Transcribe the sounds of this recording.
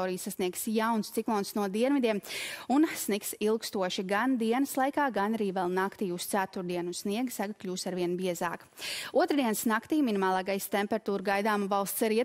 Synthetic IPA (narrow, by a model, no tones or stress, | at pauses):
oːɾijsasniɛksjawnst̪siklˠoːnsnuɔd̪iɛnmid̪iɛmunsniksilˠkst̪uɔʃiɡand̪iɛnəslˠajkaːɡanaɾiːvɛlˠnakt̪iːust̪sæt̪uɾd̪iɛnusniɛɡsaɡklʲuːst̪aɾviɛnbiɛzaːk | uɔt̪ɾd̪iɛnsnakt̪iːminimaːlˠɑːɡajst̪empɛɾat̪uːɾɡajd̪aːmvɑlˠst̪saɾiɛ